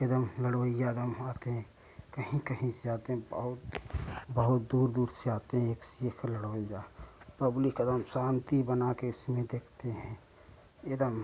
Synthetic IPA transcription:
ed̪əmləɽoːɪjaɐd̪əmaːt̪eɦɛ̃ | kəɦĩkəɦĩseaːt̪eɦɛ̃bə̰ɦʊt̪bəɦʊt̪̚d̪uːɾd̪uːɾseaːt̪eɦɛ̃eːksekʰləɽoːijapəblɪkəd̪əmsãːnt̪ibənakeʊsmẽd̪eːkʰt̪eɦɛ̃ | ed̪əm

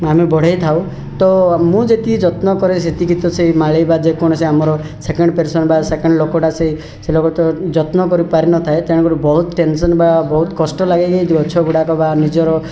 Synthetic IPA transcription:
amebʱɔɽ̤ejt̪ʰaw | t̪ɔmũd͡ʒet̪id͡ʒɔt̪nɔkɔɾeset̪ikit̪ɔseimaɭejbad͡ʒekɔɽ̃ɔseamɔɾɔ | sekeɳɖpeɾsɔnbasekeɳɖlokɔʈasei | selokɔt̪ɔd͡ʒɔt̪nɔkɔɾipaɾinɔt̪ʰaet̪eɽ̃ɔkɔɾubɔɦut̪ɔʈensɔnbabɔɦut̪kɔsʈɔlaɡajɡajd̪iɔt͡ʃʰɔbuɽakɔbanid͡ʒɔɾɔ

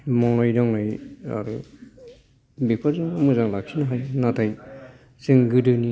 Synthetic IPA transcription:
mɔŋnajɾaŋnaja̰ɾu | bik̚pʰaɾzɯŋumɯzaŋlak̚sʰinaɦajnatʰaj | sɯŋɡɯdɯni

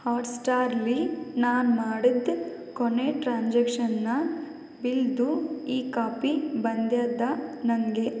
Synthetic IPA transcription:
haːʈsʈaːɾlinaːnmaːɽid̪ | koneʈɾaːnd͡ʒɐkʂɐnːɐ | bild̪uiːkaːpibɐnd̪jaːd̪ɐnɐŋɡe

